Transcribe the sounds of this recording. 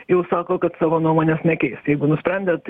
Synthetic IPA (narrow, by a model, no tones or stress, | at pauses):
jɛʊsɑːkoːkɐt̪sɑːʋoːnuɔmoːnʲeːsnʲɛkʲɛɪsjɛɪɡʊnʊsʲpʲɾʲɛnʲd̪ʲet̪